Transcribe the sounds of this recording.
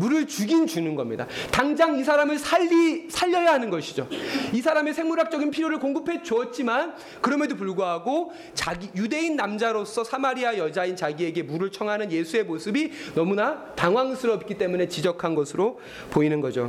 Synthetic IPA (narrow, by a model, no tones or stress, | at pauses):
muɾɯɭt͡ɕuɡint͡ɕunɯnɡʌmɲida̰taŋd͡ʑaŋisʰaɾamɯɭsʰaisʰaʎːʌjaɦanɯnɡʌɕʰid͡ʑoisʰaɾame̞sʰe̞ŋmuɾak̚t͡ɕ͈ʌɡinpʰiɾjoɾɯɭkoŋɡɯpʰe̞t͡ɕoʌt̚t͡ɕ͈iman | kɯɾʌmjedopuɭɡoɦaɡo | t͡ɕaɡijude̞inːamd͡ʑaɾos͈ʰʌsʰamaɾiajʌd͡ʑaint͡ɕaɡie̞ɡe̞muɾɯɭt͡ɕʰʌŋɦanɯnje̞sʰue̞mosʰɯbinʌmunataŋwaŋsʰɯɾʌp̚k͈it͈e̞mune̞t͡ɕid͡ʑʌkʰanɡʌsʰɯɾo | poinɯnɡʌd͡ʑo̰